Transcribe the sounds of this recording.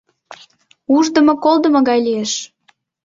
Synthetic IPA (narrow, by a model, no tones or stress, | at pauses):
uʒd̪ə̆mŏkolˠd̪ə̆mŏɣɑjlijeʃ